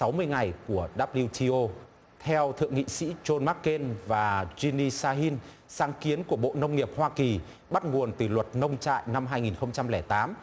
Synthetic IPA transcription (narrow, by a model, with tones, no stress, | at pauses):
sa˨˦wmɨ˧əjŋa˨˩jku˧˩əɗaː˦˥p̚li˧wt̪ʰi˧ʔo˧ | t̪ʰɛ˧wt̪ʰɨ̰˧˨əŋḭ˧˨sḭ˧˥t͡ɕo˧nma˦˥kkːe˧nvaː˨˩zi˧ni˧saː˧ɦi˧n | saː˨˦ŋki˨˦ənku˧˩əɓo̰˧˨nə˧wŋ͡mŋi˨˩əp̚hwaː˧ki˨˩ | ɓa˦˥t̚ŋu˨˩ənt̪ɨ˨˩lwə˨˩t̚nə˧wŋ͡mt͡ɕa̰ː˧˨jna˧mɦaː˧jŋi˨˩nxə˧wŋ͡mt͡ɕa˧mlɛː˧˩jt̪aː˨˦m